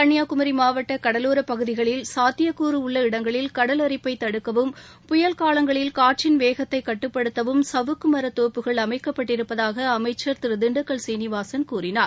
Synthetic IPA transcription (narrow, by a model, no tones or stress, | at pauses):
kɐɳːɪjaːkʊmɐɾimaːʋɐʈːɐkɐɽɐluːɾɐpːɐɣɯðɪɣɐɭɪlsaːt̪ːɪjɐkːuːɾɯʊɭːɐɪɽɐŋɡɐɭɪlkɐɽɐlɐɾɪpːɐɪt̪ːɐɽɯkːɐʋɯm | pʊjɐlkaːlɐŋɡɐɭɪlkaːʈ̚t͡ʃɪnʋeːɣɐt̪ːɐɪkːɐʈːɯpːɐɽɯt̪ːɐʋɯmsɐʋɯkːɯmɐɾɐt̪oːpːɯɣɐɭɐmɐɪkːɐpːɐʈːɪɾɯpːɐðaːɣɐːmɐɪt͡ʃːɐɾt̪ɪɾɯd̪ɪɳɖɯkːɐɭsiːnɪʋaːsɐnkuːrɪnaːɾ